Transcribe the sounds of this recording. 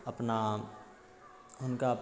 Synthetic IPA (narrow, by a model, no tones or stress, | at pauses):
ɐpna | ʊnkaɐp